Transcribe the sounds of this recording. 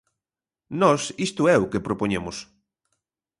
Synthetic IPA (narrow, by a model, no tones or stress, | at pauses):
nɔsist̪ʊɛʊkepɾopoɲemʊs